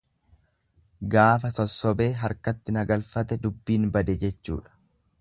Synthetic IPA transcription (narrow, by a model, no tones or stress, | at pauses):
ɡaːfɐsɔsːɔbe̞ːɦɐɾkɐt̪ːɪnɐɡɐlfɐt̪ɛd̪ʊbːiːnbɐd̪ɛd͡ʒɛt͡ʃːṵːᶑɐ̥